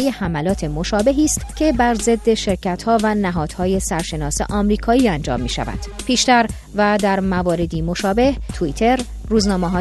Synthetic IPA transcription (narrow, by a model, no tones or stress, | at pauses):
jehæmælɒːt̪ʰe̞mo̞ʃɒːbe̞ɦiːst̪cʰe̞bæɾze̞d̪ːe̞ʃe̞ɾcʰæt̪hɒːvænæɦɒːd̪̥hɒːje̞sæɾʃe̞nɒːse̞̰ʔɒːmɾiːkʰɒːiːænd͡ʒɒ̰ːmːiːʃæ̰væ̰nd̪̥pʰiːʃt̪æɾ | væd̪æɾmævɒːɾe̞d̪iːmo̞ʃɒːbe̞ht̪ʰuit̪ʰe̞ɾː | uːznɒːmeɦɒː